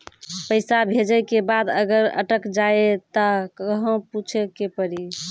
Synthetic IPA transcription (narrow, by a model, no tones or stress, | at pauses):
pəɪsabʱed͡ʒəjkebad̪ə̰ɡəɾə̰ʈəkd͡ʒaet̪əkəɦõput͡ʃʰekepəɾi